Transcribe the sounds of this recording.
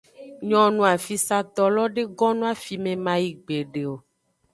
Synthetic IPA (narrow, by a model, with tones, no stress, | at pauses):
ɲɔ̃˨nũ˦a˨fi˦sa˦t̪ɔ˦lɔ˦ɖe˦ɡɔ˦nũ˦a˦fi˨mẽ˨mã˨ji˨ɡ͡be˨ɖe˨o˨